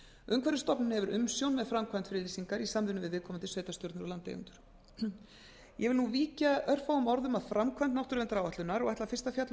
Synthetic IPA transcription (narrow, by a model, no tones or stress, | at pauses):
ʏmkʰvɛɾɪst̪ɔpnɪnhɛvʏɾʔʏmsjownmɛðfɾamkʰvant̪fɪɾɪliːsiŋkaɾisamvɪnʏvɪðvɪðkʰɔmant̪ɪsveːɥjt̪ast̪jɔɾt̪nʏɾɔlant̪ḛjʏ̰nt̪ʏɾ̥ | jɛɣvɪlnuviːcaœr̥fawʏmɔɾðʏmaðfɾamkʰvant̪nawht̪ʏɾvɛnt̪aɾaːwvaht̪ʏnaɾɔɣɛjt̪lafɪrst̪afjat̪l